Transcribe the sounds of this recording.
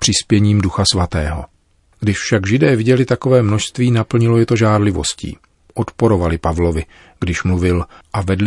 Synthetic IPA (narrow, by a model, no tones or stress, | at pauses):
pr̥ɪspjɛɲiːmduxasvat̪ɛːɦo̞̰ | ɡ̥dɪʃfʃaɡʒɪdɛːvɪɟɛlɪt̪ako̞vɛːmno̞ʃst̪viːnapl̩ɲɪlo̞jɛt̪o̞ʒaːɾlɪvo̰scḭː | ʔo̞t̪po̞ɾo̞valɪpavlo̞vɪ | ɡ̥dɪʃmluvɪlʔavɛdl